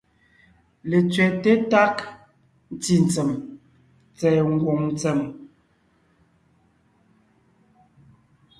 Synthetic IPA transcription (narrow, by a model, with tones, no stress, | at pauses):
le˨t͡sɥɛ˨te˦ta˦k | n̩˦ti˨n˨t͡sɛ˨m | t͡sɛ˨ŋ̩˦˨ɡwo˨ŋn˦t͡sɛ˨m